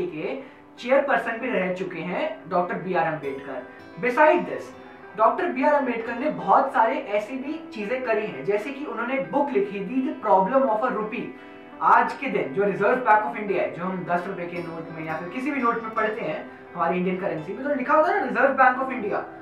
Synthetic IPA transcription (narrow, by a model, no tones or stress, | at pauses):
ke | t͡ʃeːəɾpɐɾsə̃ɳʈbʱiɾɛɦɛt͡ʃʊkeɦɛ̃ɖɔːk̚ʈəɾbiːaːɾɛ̃mbeːʈkɐ̰ɾ | bɪsaːɪɖ̚d̪ɪs | ɖɔːk̚ʈəɾbiːaːɾɛmbeːʈkɐɾnebɔɔt̪saːɾeʔɛːsibʱit͡ʃiːzẽkɐɾiɦɛ̰̃d͡ʒɛːsekiʊnɦõːnebʊklɪkʰid̪id̪ipɾɔːblə̃mɔːfəɾʊpi | aːd͡ʒked̪ɪnd͡ʒoːɾɪzəːɾʋbɛ̃ːŋkɔːfɪ̃ɳɖijaɦɛ̰d͡ʒoːɦɐ̃md̪ɐsɾʊpekenoːʈmẽjafɪɾkɪsibʱinoːʈmẽpɐɽ̤t̪eɦɛ̃ː | ɦɐmaːɾiɪ̃ɳɖjənkɐɾə̃nsimẽt̪onelɪkʰaoɡanaɾɪzəːɾʋbɛ̃ːŋkɔːfɪ̃ɳɖija̰ː